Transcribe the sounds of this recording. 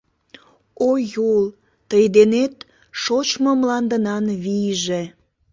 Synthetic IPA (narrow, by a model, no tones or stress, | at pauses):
ojol | t̪əjd̪enet̪ | ʃot͡ɕmomlɑnd̪ənɑnβijʒe